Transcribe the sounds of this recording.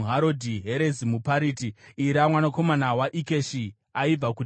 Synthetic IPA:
ɦaɾo̞dʱiɦeɾezimupaɾiːtiiɾamwanako̞manawaʔike̞ʃi | aib͡vaku

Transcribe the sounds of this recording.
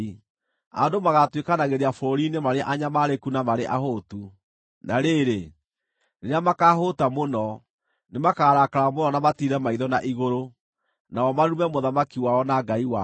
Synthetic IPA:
i | adomaɣatwekanaɣeɾeafɔɾinemaɾeʔaɲamaɾekunamaɾeʔaɦotu | naɾeɾe | neɾeamakaɦotamonɔ | nemakaːɾakaɾamonɔnamatiɾɛmaiðɔnaʔiɣoɾo | naɔmaɾumɛmoðamakiwaɔnaɡaiwa

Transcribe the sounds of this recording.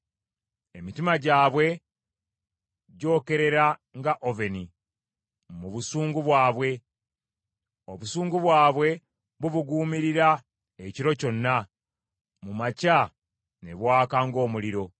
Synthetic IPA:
e̞mitimaɟaːβwe̞ | ɟo̞ːke̞ɾe̞ɾaŋɡaʔove̞ni | muβusuːŋɡuβwaːβwe̞ | oβusuːŋɡuβwaːβwe̞ | βuβuɡuːmiɾiɾa | eciɾo̞co̞nːa | mumaca | ne̞βwaːkaŋɡo̞ːmuliɾo̞

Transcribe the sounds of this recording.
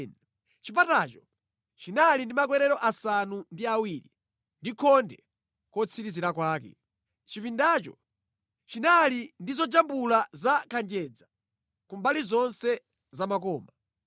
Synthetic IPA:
n | t͡ʃipatat͡ʃɔ | t͡ʃinalindimak̬wɛɾɛɾɔʔasanundiawiːɾḭ | ndikʰɔndɛ | kɔt͡sʰiɾiziɾakwaːk̬ɛ̰ | t͡ʃifindat͡ʃɔ̰ | t͡ʃinalindizɔd͡ʒambulazakʰand͡ʒɛd͡za | kumbalizɔnsɛ | zamak̬ɔːma

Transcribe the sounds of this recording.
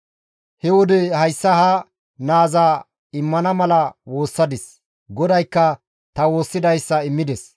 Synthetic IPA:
hɛwɔd̪ɛhɐjsːɐhɐ | naːza | ɪmːɐnɐmɐlɐwo̞ːsːɐd̪ɪs | ɡɔd̪ɐjkːɐ | t̪ɐwo̞ːsːɪd̪ɐjsːɐɪmːɪd̪ɛs

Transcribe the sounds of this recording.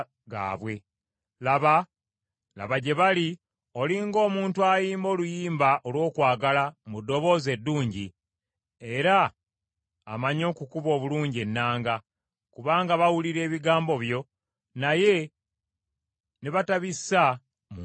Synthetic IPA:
ɡa̰ːβwe̞ | laβa | la̰βaɟe̞βali | o̞liŋɡo̞ːmuːntuajiːmbo̞ːlujiːmbaʔo̞lwo̞ːkwaːɡalamudːo̞βo̞ːze̞dːuːɲɟi | e̞ɾaː | maɲo̞ːkukuβo̞ːβuluːɲɟie̞nːaːŋɡa | kuβaːŋɡaβawuliɾe̞ːβiɡaːmbo̞βjo̞ | naje̞ | neβataβisa | mu

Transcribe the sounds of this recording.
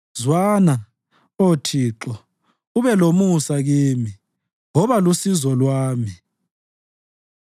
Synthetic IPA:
zwana | otʰiːǁɔ | uβɛlomusaɣiːmi | ŋɔβalusizɔlwaːmi

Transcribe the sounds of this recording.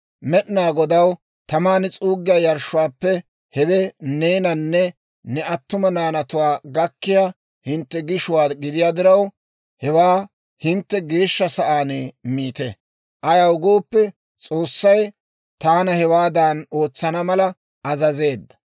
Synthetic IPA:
mɛɗnaːɡɔd̪ɐw | t̪ɐmaːnɪt͡sʼuːɡːɪjaːjɐɾʃʊwaːpːɛ | hɛwɛneːnɐnːɛ | nɛɐt̪ːʊmɐnaːnɐt̪ʊwaːɡɐkːɪjaː | hɪnt̪ːɛɡɪʃʊwaːɡɪd̪ɪjaːd̪ɪɾɐw | hɛwaː | hɪnt̪ːɛɡe̞ːʃːɐsɐʔaːnemiːt̪ɛ | ʔɐjɐwɡoːpːɛ | t͡sʼo̞ːsːɐj | t̪aːnɐhɛwaːd̪ano̞ːt͡sːɐnɐmɐlɐ | ɐzɐze̞ːd̪ːɐ̥

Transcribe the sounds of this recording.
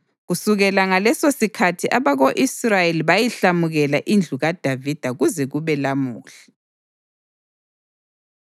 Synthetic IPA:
ɣusuɣɛlaŋalɛsosikʰatʰiʔaβaɣoʔisrajeliβajiɬamuɣɛlaʔind͡ɮʱuɣad̥ʱavid̥ʱaɣuzɛɣuβɛlamuːɬɛ̥

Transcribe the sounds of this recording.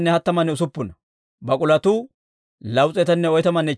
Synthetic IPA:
nːɛhɐt̪ːɐmɐnːɛʊs̬ʊpːʊnɐ | bɐkʼʊlɐt̪ʊ | lɐwt͡sʼɛt̪ɐnːɛɔjt̪ɐmɐnːɛ

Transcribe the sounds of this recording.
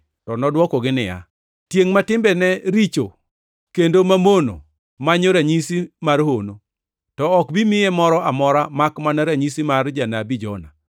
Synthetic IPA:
tɔnɔdwɔkɔɡɪnɪja̰ | tjeŋmatɪmbɛnɛɾit͡ʃo | kendomamono̰ | maɲoɾaɲisimarhono | tɔɔkbimɪjemɔɾɔʔamɔɾamakmanaɾaɲisimard͡ʒanabid͡ʒɔna̰

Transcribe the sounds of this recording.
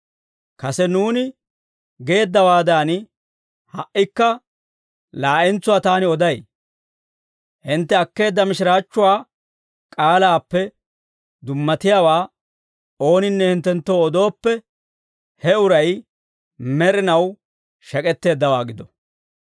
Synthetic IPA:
kɐsɛnuːnɪ | ɡe̞ːd̪ːɐwaːd̪aːn | hɐʔːɪkːɐ | laːʔɪnt͡sʊwaːt̪aːnɪɔd̪ɐj | hɪnt̪ːɛɐkːe̞ːd̪ːɐmɪʃɪɾaːt͡ʃːʊwaː | kʼaːlaːpːɛ | d̪ʊmːɐt̪ɪjaːwaː | o̞ːnɪnːɛhɪnt̪ːɛnt̪ːoːɔd̪o̞ːpːɛ | hɛʊɾɐj | mɛɾɪnɐw | ʃɐkʼɛt̪ːe̞ːd̪ːɐwaːɡɪd̪ɔ

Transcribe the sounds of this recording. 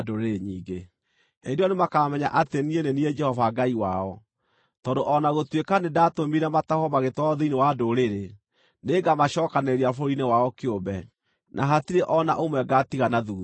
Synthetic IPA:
doɾeɲiːɡe | edɔnemakamɛɲa̰ʔatenienenied͡ʒɛhɔvaɡaiwa̰ɔ | tɔndoʔɔnaɣotwekanedatomiɾɛmatahɔmaɣetwɔɔðeinewadoɾeɾe | neɡamaɕɔːkaneɾiafoɾinewaɔkeombɛ | nʔaɦatiɾeʔɔna̰ʔomwɛɡatiɣanaðuː

